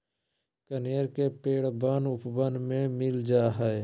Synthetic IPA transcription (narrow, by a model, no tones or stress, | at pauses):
kənejəɾkepeːɽbənʊpbənmẽmɪld͡ʒaːɦɛe